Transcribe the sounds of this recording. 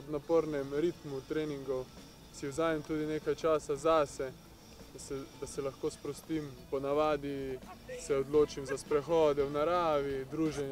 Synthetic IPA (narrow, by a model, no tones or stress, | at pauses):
ɔd̪napoɾnɛmɾit̪mut̪ɾeːniŋɡɔw | siwzaːmɛmt̪uːd̪ineːkajt͡ʃaːsazaːsɛ | d̪asɛd̪asɛlaxkoːspɾɔst̪iːmpɔnaʋaːd̪isɛɔd̪loːt͡ʃimzaspɾɛxɔːd̪ɛwnaɾaːʋid̪ɾuːʒɛn